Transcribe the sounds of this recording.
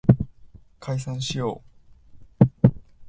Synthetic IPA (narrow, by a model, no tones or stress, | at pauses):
kʰaisãɰ̃ɕijo̞̰ː